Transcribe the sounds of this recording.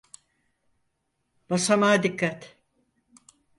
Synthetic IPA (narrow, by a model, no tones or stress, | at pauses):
b̥asamaːd̪ikʰːat̪